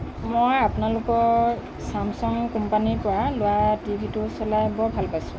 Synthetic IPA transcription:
mojapʊnalʊkɔ | samsɔŋkɔmpanipʊɹalʊwatibʱitʊsɔlajbɔbʱalpasʊ̥̃

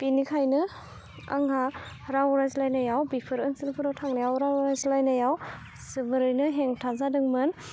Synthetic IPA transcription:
pinikʰajnɯ | a̰ŋɦahɾawuɾajzlajnajawbipʰɯɾɯnsilpʰɯɾawtʰaŋnajawɾaɾajzlajnajaw | sɯbɯɾɯjnɯɦeŋtʰazadɯŋmɯn

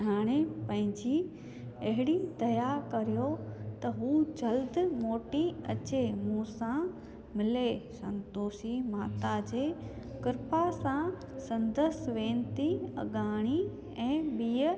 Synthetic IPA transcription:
ɦaːɽ̃epɐ̃ɦɪ̃ɲd͡ʑi | ɐɦɪɽid̪ɐjakɐɾijot̪ɐɦuːd͡ʑɐld̪moːʈiɐ̰t͡ɕemũːsã | mɪlesɐ̰̃nt̪oːsimaːt̪ad͡ʑeː | kɪɾpasã | sɐ̃nd̪əsʋẽːnt̪iɐ̰ɡaːɽ̃i | ɛ̃ːɓiːə

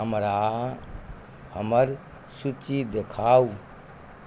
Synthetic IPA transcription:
ɦəmɾa | həməɾ | sut͡ʃid̪ekʰaːu

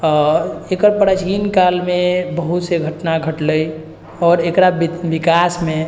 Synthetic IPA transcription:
ɔekəɾpəɽat͡ʃʰinkalmebəɦut̪seɡʱəʈnaɡʱəʈləj | ɔːɾekɾabbikasme

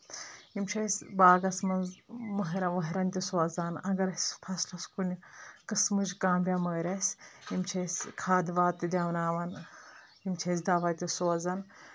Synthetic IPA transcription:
imt͡ʃʰɐsʲbaːɡɐsmɐməɦɐɾɐʋɐɦɐɾɐnt̪ʲisoɐzaːnɐɡɐɾɐsʲpʰɐslɐskunʲikɨsmɨzʲkãːmbʲjaməːɾʲɐsʲimt͡ʃʰɐsʲkʰaːd̪ʋaːt̪ːɨd̪ʲaːʋnaːʋɐn | imt͡ʃʰɐs̬ʲd̪aːʋaːt̪ʲisoɐzɐn

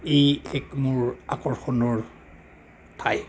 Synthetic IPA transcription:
ejɛkmuɹakɔɹxɔnɔɹ | tʰaj

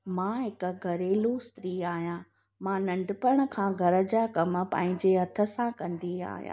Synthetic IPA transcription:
mãɦɪkɡʱɐɾeːlost̪ɾiːaːɦijãː | mãːnɐ̃ɳɖpəɽ̃ə̆kʰãːɡʱɐɾə̆d͡ʑaːkɐm̆pã̰ːɦɪ̃ɲd͡ʑeɦɐt̪ʰə̆sãkɐ̃nd̪ia̰ːɦijã̰

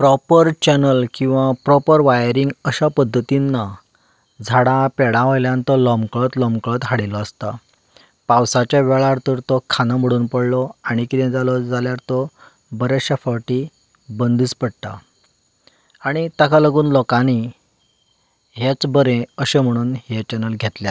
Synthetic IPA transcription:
pɾɔpəɾt͡ɕɛnəlkĩw̃ʋapɾɔpəɾʋajɾiŋɡəɕapəd̪ʱːət̪inːa | d͡zʱaɽãpɛɽãʋəjljãnt̪ɔlɔmkɭət̪lɔmkɭət̪ɦaɽilɔəst̪a | pawsat͡ɕaʋɛɭaɾt̪əɾt̪ɔkʰanaməɽuːnpəɽlɔaɽ̃ikit̪ɛ̃d͡zalɔd͡zaljaɾt̪ɔ | bəɾeɕafəʈi | bənd̪iːt͡spəɽt̪a̰ | aɽ̃it̪akaləɡuːnlɔkãni | ɦet͡sbəɾẽəɕem̤əɽ̃uːnɦet͡ɕɛnəlɡʱet̪lja

